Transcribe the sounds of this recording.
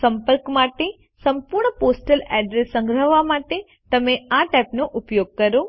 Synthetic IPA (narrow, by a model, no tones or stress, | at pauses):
sɐmpəɾkmaːʈe | sɐmpuɾɳəpoːsʈəlɛːɖɾesːɐ̃ŋɡɾəʋamaːʈe | t̪ɐmẽãʈɛːpnoʔʊpjoːɡ̚kɐɾo